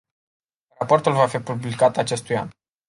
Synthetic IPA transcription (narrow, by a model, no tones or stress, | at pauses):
rapo̞rt̪ulvafipublikat̪at͡ʃe̞st̪uja̰n